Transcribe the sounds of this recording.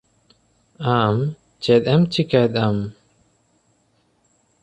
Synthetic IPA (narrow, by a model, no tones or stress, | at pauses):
am | t͡ʃɛt̪̚ɛmt͡ʃʰikajt̪̚am